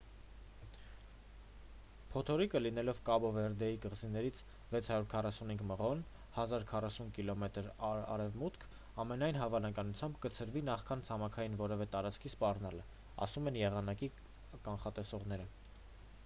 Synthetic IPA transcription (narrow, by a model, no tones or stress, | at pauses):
pʰɔt̪ʰɔɾikəlin̪ɛlɔvkɑbɔvɛɾd̪ɛjikəʁzinɛɾit͡sʰ | vɛt͡sʰhɑɾuɾkʰɑrɑsunhiŋɡməʁɔn | hɑzɑɾkʰɑrɑsunkilɔmɛt̪əɾɑ̰ɾɛvmut̪kʰ | ɑmɛnɑjnɦɑvɑnɑkɑnut͡sʰjɑmbkət͡sʰəɾvinɑχkʰɑnt͡sʰɑmɑkʰɑjinvɔɾɛvɛt̪ɑɾɑt͡skʰispɑrnɑlə | ɑ̰sumɛnjɛʁɑnɑki | kɑnχɑt̪ɛsɔʁnɛɾə